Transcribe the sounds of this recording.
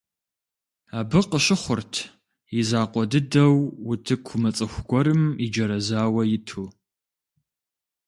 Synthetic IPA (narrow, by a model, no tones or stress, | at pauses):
aːbɨqəɕɪχʷʊrtʰ | jɪzaːqʷɔdɨdɐwːʊtʰɨkʷʰʊmɐt͡sʼɨxʷɡʷɔɾɨmid͡ʒɐɾɐzaːwɐjɪtʰuː